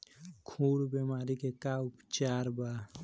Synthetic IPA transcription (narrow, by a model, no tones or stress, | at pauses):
kʰuːɽbeːmaːɾikekaʊpt͡ʃaːɾbaː